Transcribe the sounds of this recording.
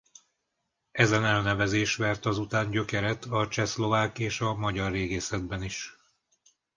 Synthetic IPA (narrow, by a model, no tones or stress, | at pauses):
ɛzɛnɛlnɛvɛzeːʃʋɛrt̪ɒzut̪aːɲɟø̞kɛɾɛt̪ɒt͡ʃɛslo̞vaːkeːʃɒmɒɟɒrːeːɡeːsɛd̪̚bɛniʃ